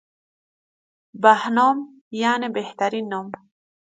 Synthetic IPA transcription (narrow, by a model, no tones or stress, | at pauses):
bahnoːm | jaːnebeht̪aɾinːoːm